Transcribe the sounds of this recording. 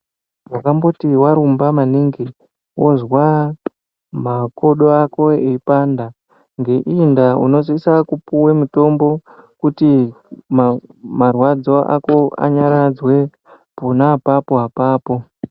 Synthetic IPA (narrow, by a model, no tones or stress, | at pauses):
wakambo̞tiwaɾumbamaniŋɡi | wozwa | mako̞ɗoako̞eipanda | ŋɡe̞ʔindauno̞zisakupuwemuto̞mbo̞kuti | mmarwad͡zo̞ʔa̰ko̞a̰ɲaɾad͡zwe̞ | ponapapoɦapaːpo̞